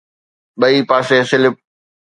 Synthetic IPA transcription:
ɓɐiːpaːseːsɪlɪp̚

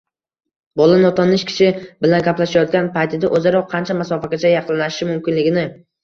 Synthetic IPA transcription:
bɒlˠanɒt̪ʰɒnɪʃkʲʰɪ̥ʃɪbɪlanɡʲaplaʃajɒt̪̚ɡʲanpʰajt̪ʰɪd̪aʔɵzaɾɒqʰːɑnt͡ʃʰamasɒfakʲat͡ʃʰajɑqʰlˠlaɪʃɪmʊmkʲɪnlɪɡʲɪnɪ

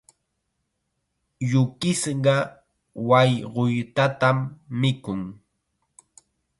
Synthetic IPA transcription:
jʊkɪsɢɑ | wajɢojt̪at̪amːɪkʊŋ

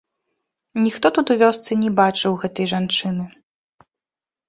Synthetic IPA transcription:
nʲixt̪ɔt̪ut̪uvʲɔst̪sɨnʲɛbat͡ʂɨwɣɛt̪ɐjʐant͡ʂɨnɨ

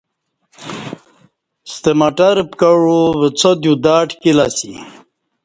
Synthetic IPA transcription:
st̪emaʈaɾpkaɻovət͡sʰod̪jud̪aːʈkilasḭ

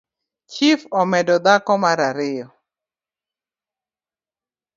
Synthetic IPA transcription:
t͡ʃifɔmɛdɔd̪akɔmaɾaɾɪjɔ

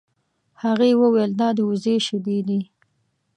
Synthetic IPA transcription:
haɣewəwejld̪ɑd̪əuzeʃɪd̪ed̪i

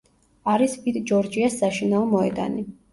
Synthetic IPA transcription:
aɾispit̪d͡ʒɔɾd͡ʒiasːaʃinaɔmɔɛd̪a̰ni

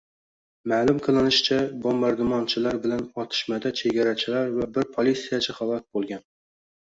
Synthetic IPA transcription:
maːlˠʊmqʰɨlˠɪnɪʃt͡ʃʰabombaɾd̪ʊmɒnt͡ʃʰɪlaɾbɪlanɒt̪ʰɪ̥ʃmad̪at͡ʃʰe̞ɡʲaɾat͡ʃʰɪlaɾvabɪɾpʰolˠisijat͡ʃʰaχɑlˠɒt̪̚bolˠɡʲan

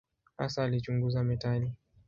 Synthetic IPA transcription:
ha̰saːlit͡ʃuŋɡuzamɛtali

